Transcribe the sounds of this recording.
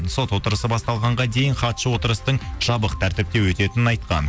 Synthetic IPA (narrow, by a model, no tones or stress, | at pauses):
nso̞t̪wo̞t̪əɾəsəbɑst̪ɑlˠʁɑɴʁɑd̪e̞jɪnχɑt̪ʃəwot̪əɾəst̪əɴʒ̥ɑbəqt̪ʰæɾt̪ɪp̚t̪ewɵt̪e̞t̪ɪnɪnɑjt̪qɑ̰n